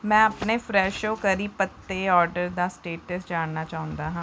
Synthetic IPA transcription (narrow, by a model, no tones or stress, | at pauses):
mɛ̃ːəpneːfʰɾɛːʃoːkəɾiːpət̪ːeːɔːɾɖəɾd̪aːsʈeːʈəsd͡ʒaːɳnaːt͡ʃaːɦʊ̃nd̪aːɦãː